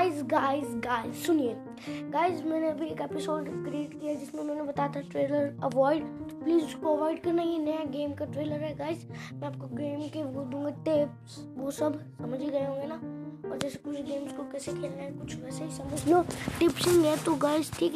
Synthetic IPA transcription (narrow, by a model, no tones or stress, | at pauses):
ɪzɡaːɪzɡaːɪzsʊnije | ɡaːɪzmɛ̃ːneɐbʱieːkeːpɪsoːɖkɾieːʈkijad͡ʒɪsmẽʊmõːnebɐt̪at̪ʰaʈɾeːləɾɐʋɔːɪɖt̪opliːzskoɐʋɔːɪɖkɐɾnajenɐjaɡeːmkaʈɾeːləɾɦɛɡaːɪzmɛ̃aːp̚koɡeːmkebold̪ũːŋɡaʈep | s | ʋosɐbʱsɐməd͡ʒʱiɡɐeɦõːŋɡenaɔ̰ːɾd͡ʒɛːsekʊt͡ʃʰɡeːmskokɛːsekʰeːlnaekʊt͡ʃʰʋɛːseɦisɐməd͡ʒnõʈɪpsɪ̃ŋɡɛt̪oɡaːɪzʈʰiːk